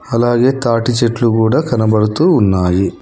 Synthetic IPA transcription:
ɐlaːɡe̞ːt̪aːʈit͡ʃeʈlukuːɽaːkɐnɐbɐɽut̪uːnːaːji

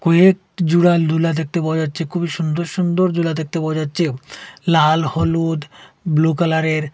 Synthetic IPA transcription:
kɔek | d͡ʑuɽald̪ʱulad̪ek̚t̪epaoad͡ʑatːɕʰekʰubiʃund̪oɾʃund̪oɾd̪ʱulad̪ek̚t̪epaoad͡ʑatːɕʰelalhɔlud̪blokalaɾeɾ

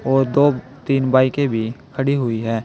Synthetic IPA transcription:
ɔːɾd̪oː | t̪iːnbaːikebʱikʰəɽiɦʊiɦɛː

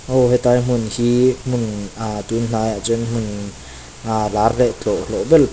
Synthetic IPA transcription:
ʔoɦɛt̪ajm̥unhim̥unʔat̪unn̥ajaʔt͡sunm̥un | ʔalarlɛʔt͡ɬɔʔlɔʔbɛl

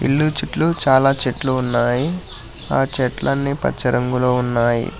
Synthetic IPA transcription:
ḭlːut͡ʃiʈlut͡ʃaːlaːt͡ʃeʈluːnːaːji | aːt͡ʃɛʈlɐnːipɐ̰t͡ʃːɐɾɐŋɡuloːunːaːjḭ

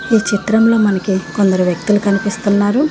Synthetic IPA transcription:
iːt͡ʃit̪ɾɐmlo̞ːmɐnɐkiko̞nd̪ɐɾuʋjɐk̚t̪ulukɐnipist̪unːaːɾu

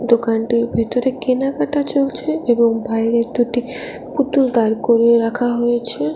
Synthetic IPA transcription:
d̪okanʈiɾbʱet̪oɾekenakaʈat͡ɕolt͡ɕʰeeboŋbaeɾeɾd̪uʈi | put̪uld̪aɾkoɾieɾakʰaɦojet͡ɕʰe

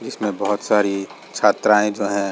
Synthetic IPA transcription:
d͡ʒɪsmẽbɐɦʊt̪saːɾi | t͡ʃʰaːt̪ɾaːẽd͡ʒoːɦɛ̃

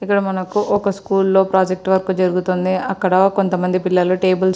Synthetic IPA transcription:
ikːɐɽɐmɐnɐkuʔɔkɐskuːlːo̞ːpɾaːd͡ʒek̚ʈʋɐɾkud͡ʒɐɾuɡut̪ond̪iɐkːɐɽɐko̞nt̪ɐmɐnd̪ipilːɐloʈe̞ːbɐls

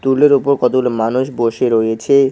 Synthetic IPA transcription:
t̪uleɾopoɾkɔt̪olmanuʃboʃeɾojet͡ɕʰe

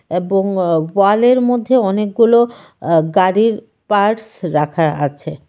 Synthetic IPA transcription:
eboŋwaleɾmod̪ʱːeɔnek̚ɡulo | ɡaɽiɾ | paɾsɾakʰaa̰t͡ɕʰe

